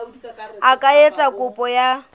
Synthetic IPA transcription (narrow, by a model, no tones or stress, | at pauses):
akʼaet͡sʼakʼʊpʼɔja